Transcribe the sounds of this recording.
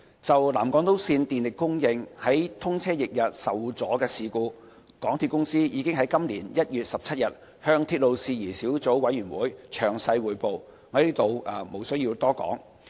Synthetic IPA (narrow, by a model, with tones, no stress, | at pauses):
t͡sɐ˨wlaː˨˩mkɔː˨˥ŋt̪o˨˥wsiː˧nt̪iː˨nlɪ˨kːʊ˥ŋjɪ˨˧ŋhɐ˨˥jt̪ʰʊ˥ŋt͡sʰɛː˥jɪ˨k̚jɐ˨t̚sɐ˨˩wt͡sɔː˨˥kɛː˧siː˨kuː˧ | kɔː˨˥ŋt̪ʰiː˧t̚kʊ˥ŋsiː˥jiː˨˧kɪ˥ŋɦɐ˨˥jkɐ˥mliː˨˩njɐ˥t̚jyː˨t̚sɐ˨p̚t͡sʰɐ˥t̚jɐ˨t̚ | hœː˧ŋt̪ʰiː˧t̚lo˨wsiː˨˧jiː˨˩siː˨˥wt͡so˨˥wwɐ˨˥jːyː˨˩nwuː˨˥jt͡ʃʰœː˨˩ŋsɐ˧jwuː˨jpo˨w | ŋɔː˨˧dliː˥t̪o˨wʔaː˨˩mo˨˩wsɵ˥ɥjiː˧wt̪ɔː˥kɔ̰ː˨˥ŋ